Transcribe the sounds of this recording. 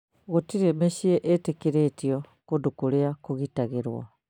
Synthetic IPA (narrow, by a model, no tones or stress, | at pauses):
ɣotiɾemeɕieʔetekeɾeːtiɔkodukoleakoɣitaɣeɾwa̰